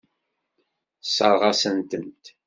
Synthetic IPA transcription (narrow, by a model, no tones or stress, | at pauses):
səɾˤʁɑsənt̪ənt̪